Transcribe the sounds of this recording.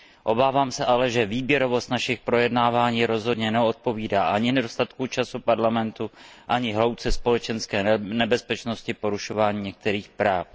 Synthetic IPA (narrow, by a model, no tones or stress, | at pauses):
ʔo̞baːvaːmsɛʔalɛʒɛviːbjɛɾo̞vo̞st̪naʃɪxpɾo̞jɛdnaːvaːɲiːɾo̞zɦo̞dɲɛnɛot̪̚po̞viːdaːʔaɲɪnɛdo̞st̪at̪kut͡ʃasupaɾlamɛnt̪uʔaɲɪɦlo̞wt͡sɛspo̞lɛt͡ʃɛnskɛːnɛbɛspɛt͡ʃno̞scɪpo̞ɾuʃo̞vaːɲiːɲɛk̚t̪ɛɾiːxpɾaːf